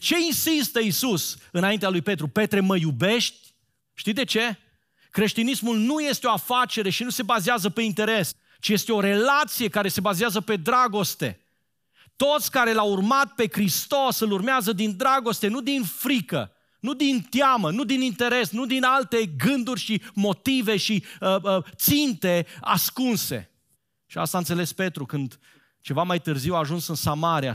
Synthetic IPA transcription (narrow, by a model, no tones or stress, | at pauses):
t͡ʃe̞insist̪əisusɨnaint̪ealujpe̞t̪̬ɾupe̞t̪ɾe̞məjube̞ʃt̪ʲ | ʃt̪id̪et͡ʃe̞ | kɾe̞ʃt̪inismulnuje̞st̪eo̞afat͡ʃe̞ɾe̞ʃinuse̞bazeazəpe̞int̪e̞ɾe̞s | t͡ʃije̞st̪eo̞ɾe̞lat̪sije̞kaɾe̞se̞bazeazəpe̞d̪ɾaɡo̞st̪e̞̰ | t̪o̞t̪sʲkaɾe̞laurmat̪̚pe̞kɾist̪o̞sɨlurmeazəd̪ind̪ɾaɡo̞st̪e̞nud̪infɾikə̰ | nud̪int̪jamənud̪inint̪e̞ɾe̞snud̪inalt̪e̞ɡɨnd̪urʲʃimo̞t̪ive̞ʃiət̪sint̪e̞a̰skunse̞̰ | ʃia̰st̪ant̪se̞le̞spe̞t̪ɾukɨnd̪ | t͡ʃe̞vamajt̪ɨrziwaʒunsɨnsamaɾija̰